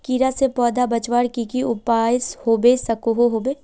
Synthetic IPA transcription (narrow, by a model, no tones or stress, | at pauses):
kiːɾasepɔːd̪ʱabɐt͡ʃwaːɽkikiʊpaːɪshoːbesɐkoɦoɦoːbeː